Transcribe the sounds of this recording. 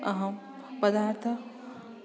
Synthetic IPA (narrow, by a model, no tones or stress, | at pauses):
ɐɦɐ̃ | pɐd̪aːɾt̪ʰɐ